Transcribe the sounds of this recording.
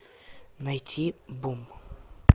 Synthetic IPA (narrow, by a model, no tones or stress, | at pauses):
nɐjtʲʰibum